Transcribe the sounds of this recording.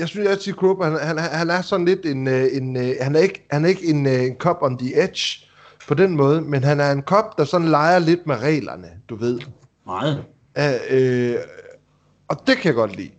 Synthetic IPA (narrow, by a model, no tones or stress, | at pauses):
jɑɪsynsjæsʰikʰʁob̥hænhænhæhænæɐsɒ̽n̩le̝d̥e̝ne̝nhænæɐe̝ɡ̥əhænæɐe̝ɡ̥əe̝nenkʰɒ̽b̥ɒ̽md̥ie̥ɕ | pʰɒ̽denmɔ̽ːð̞ˠəmenɦænæɐe̝nkʰɒ̽b̥d̥ɑ̈sɒ̽n̩lɑ̈ɪɐle̝d̥̚meʁɛ̰ːlɐ̰nəd̥uʋe̝ð̞̰ˠ | æø | ɒ̽d̥e̝kʰæjɑ̈ɡ̥ɒ̽d̥lḭː